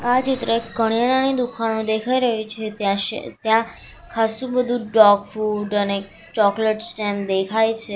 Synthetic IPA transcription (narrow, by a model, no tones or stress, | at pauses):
ad͡ʒɪt̪ɾekəɳ̃jananid̪ukʰanũd̪ekʰaiɾəɦĩt͡ʃʰet̪ãʃḛt̪jã | kʰasũbəd̪ʱũɖɔɡfuɖəne | t͡ʃɔkleʈsʈɛmd̪ekʰajt͡ʃʰe